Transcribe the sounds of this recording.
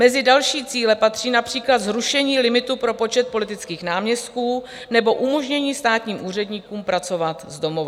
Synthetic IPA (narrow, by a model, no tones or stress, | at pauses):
mɛzɪdalʃiːt͡siːlɛpat̪r̥iːnapr̥iːklad̪zɾuʃɛɲiːlɪmɪt̪upɾo̞po̞t͡ʃɛt̪̚po̞lɪt̪ɪt͡skiːxnaːmɲɛst̪̚kuː | nɛbo̞ʔumo̞ʒɲɛɲiːst̪aːt̪ɲiːmʔuːr̝ɛdɲikuːmpɾat͡so̞vat̪zdo̞mo̞va